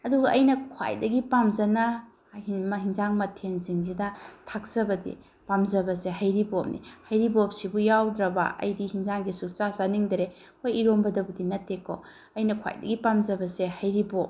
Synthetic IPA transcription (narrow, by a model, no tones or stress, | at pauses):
ɐduɡɐʔɐjnɐkʰwa̰jdɐɡipamzɐnɐ | imɐɦinzaŋmɐtʰenziŋzidɐtʰak̚zɐbɐdḭ | pamzɐbɐseɦajɾibop̚nḭhɐjɾibop̚sibujawdɾɐba̰ʔɐ̰jdihinzaŋɡisuk̚t͡ʃasaniŋdɐɾe | hojiɾombɐdɐbudinɐtːeko̰ | ɐjnɐkʰwa̰jdɐ̰ɡipamzɐbɐsehajɾibop̚